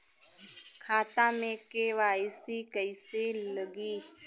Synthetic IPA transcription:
kʰaːt̪ãːmẽːkeːʋaːɪsiːkəɪseləɡiː

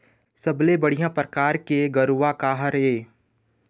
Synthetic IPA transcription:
səblebəɽ̤ijãpɾəkaːɾkeɡəɾuʋakaːɦəɾeː

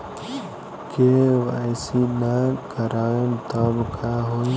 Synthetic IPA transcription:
keʋajsinakəɾaːemt̪ɔbkʰaɦo

